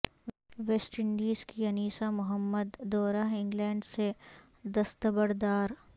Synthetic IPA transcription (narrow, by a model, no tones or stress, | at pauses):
ʋeːsʈɪ̃ɳɖiːzkiɐniːsamʊɦəmːəd̪ːɔːɾaɦɪ̃ŋɡlɛ̃ːɳɖse | d̪ɐst̪əbəɾd̪aːɾ